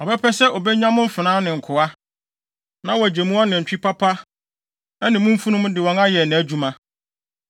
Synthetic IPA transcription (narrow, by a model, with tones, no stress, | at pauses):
ɔ˨bɛ˦pʰɛ˦sɛ˦ʔɔ˨bɛ˦ɲᶣã˦mʊ̃˦m̩˦fɪ˨nãː˦nɪ̃˨ŋ̩˨kʰʊ˨a˦ | nã˦wɔ˨æ˨d͡ʑe˨mũ˦ɔ˦nɪ̃˨ɲ̩˨t͡ɕᶣi˦pʰa˦pʰa˦ | ɛ˦nɪ̃˨mʊ̃˦m̩˦fu˦nʊ̃˦m˦dɪ˨wɔ̃˨na˦jɛ˨nɪ̃˨æ˨d͡ʑu˦mã˦